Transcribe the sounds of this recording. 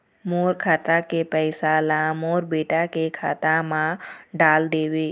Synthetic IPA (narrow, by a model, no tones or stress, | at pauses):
moːɾkʰaːt̪akepɛːsaːlãmoːɾbeːʈakekʰaːt̪ãmãɖaːld̪eːweː